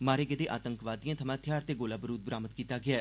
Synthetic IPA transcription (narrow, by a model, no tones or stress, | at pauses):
maːɾeːɡəd̪eːʔaːt̪əŋkʋaːd̪ĩjãːt̪ʰəmãːt̪ʰjaːɾt̪eːɡoːlaːbəɾuːd̪̚bəɾaːmət̪̚kiːt̪aːɡɪaː